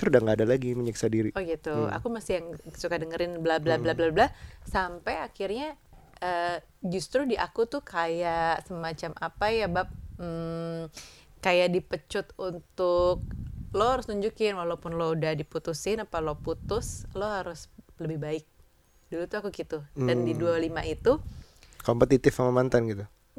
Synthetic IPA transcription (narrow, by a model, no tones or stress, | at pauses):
t̪ɾudaŋɡaːdalaɡiməɲəksadiɾiʔoɡit̪ua̰kumasɪjaŋsukadəŋəɾɪnblablablablablasampajakɪrɲa | ʔə | d͡ʒust̪ɾudiʔa̰kut̪ʊkʰajaʔsəmat͡ʃamʔapajabap̩̚ | kajaʔdipət͡ʃʊt̪unt̪ʊk̚lohaɾʊst̪uɲd͡ʒukɪnwalaupʊnloudahdiput̪usɪnapaloput̪ʊsloɦaɾʊsləbɪhbaɪk̚ | dulut̪uakukit̪udandidualimait̪ukompət̪it̪ɪfaŋməmant̪anɡit̪u